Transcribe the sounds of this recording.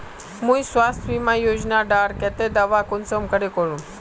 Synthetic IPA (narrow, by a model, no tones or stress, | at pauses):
mũjsʋast̪ʰʋimãjod͡ʑnaɖaɾkɛt̪ed̪aʋakonsəmkəɽekoɭũ